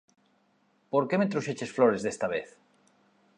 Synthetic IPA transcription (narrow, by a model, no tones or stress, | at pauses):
poɾkemet̪ɾuʃet͡ʃesfloɾezðest̪aβ̞eθ